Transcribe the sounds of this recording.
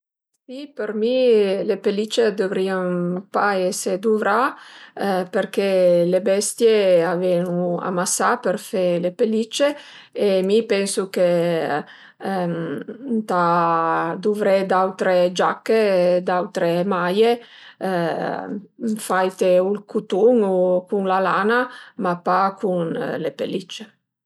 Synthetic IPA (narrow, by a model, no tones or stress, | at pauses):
sipeɾmilepelit͡ʃːed̪ovɾiampaɛsed̪uvɾa | perkelebɛst̪jeavɛnua̰masapeɾfelepelit͡ʃːeː | mipɛnsuke | t̪a | d̪uvɾɛd̪awt̪ɾed͡ʒakːed̪awt̪ɾemaje | fajt̪eulkʰut̪uŋukuŋlalaːnamapːakunlepḛlit͡ʃːe